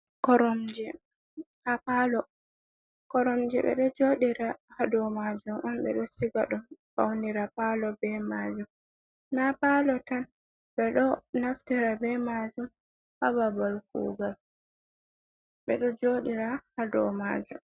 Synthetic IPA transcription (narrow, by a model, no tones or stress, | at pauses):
kɔɾɔmd͡ʒɛ | hapalɔ | kɔɾɔmd͡ʒɛɓɛ̰ɗɔd͡ʒoɗiɾahadɔmad͡ʒumʔɔnɓɛ̰ɗɔsiɡaɗumfawniɾapalɔbɛmad͡ʒum | napalɔtan | ɓɛɗɔnaftiɾabɛmad͡ʒum | hababalkṵːɡal | ɓɛɗɔd͡ʒoɗiɾahadɔma̰d͡ʒum